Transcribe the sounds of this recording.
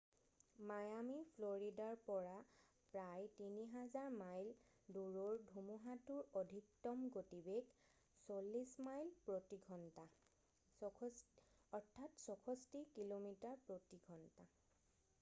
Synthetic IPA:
majamipʰloɹidaɹpɔɹa | pɹajtiniɦazaɹmajl | duɹoɹdʱumuɦatuɹodʱik̚tɔmɡotibeɡ | solːismajlpɹotiɡʱɔnta | ɔɹtʰːatsɔkʰɔstikilomitaɹpɹotiɡʱɔnta

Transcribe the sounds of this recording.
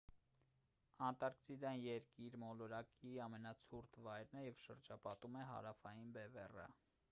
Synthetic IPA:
ɑnt̪ɑɾksʰid̪ɑnjɛɾkiɾmɔlɔɾɑkiɑmɛnɑt͡sʰuɾt̪ʰvɑjɾnɛjɛvʃəɾd͡ʒɑpɑt̪umɛɦɑ̰ɾɑfɑjinbɛvɛ̰rə̰

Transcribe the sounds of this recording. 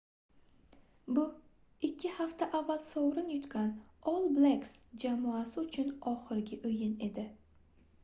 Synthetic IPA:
bʊ | ɪkʲʰːɪhaft̪aʔavːalsowɾɪnjʊt̪kʲanɒlˠbleksd͡ʒamɒasɪʊt͡ʃʰʊnɒχɨɾɡʲɪʔɵjɪne̞d̪ɪ

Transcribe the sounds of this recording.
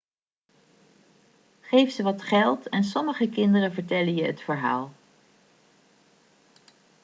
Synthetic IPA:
χejfsəʋɑtχɛlˠtɛnsɔməχəkɪndərəvəɹtɛlənjəɦətfəɹɦa̰ːlˠ

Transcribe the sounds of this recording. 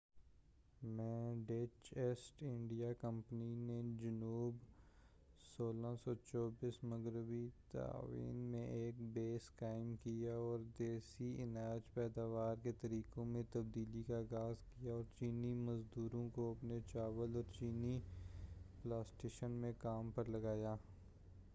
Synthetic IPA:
mɛ̃ːɖet͡ʃeːsʈɪ̃ɳɖijakə̃mpnined͡ʒɐnuːb | soːlãsɔt͡ʃɔːbiːsmɐɡɾɪbit̪a̰ːʋḭːnmẽʔeːkbeːskaːɪmkijaɔːɾd̪eːsiɪnəɾd͡ʒpɛːd̪aːʋaːɾket̪ɐɾiːkõmẽt̪ɐb̚d̪iːlikaːɡaːzkijaɔːɾt͡ʃiːnimɐzd̪uːɾõkoɐpnet͡ʃaːʋəlɔːɾt͡ʃiːni | plaːsʈeːʃənmẽkaːmpɐɾlɐɡaːjaː

